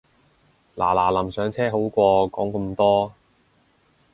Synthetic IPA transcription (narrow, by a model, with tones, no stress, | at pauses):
laː˨˩laː˨˩lɐ˨˩msœː˨˥ŋt͡sʰɛː˥ɦo˨˥wkʷɔː˧kɔː˨˥ŋkə˧mt̪ɔː˥